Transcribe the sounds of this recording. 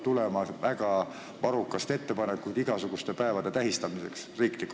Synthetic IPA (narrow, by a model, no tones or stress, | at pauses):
t̪ulemɑvæɡ̥ɑ | pɑɾukːˑɑst̪e̞t̪ːe̞pɑnekːˑujd̪̥iɡ̥ɑsuɡ̥ust̪e̞pæevɑd̪e̞t̪æɦist̪ɑmise̞̰ksriːklikːˑ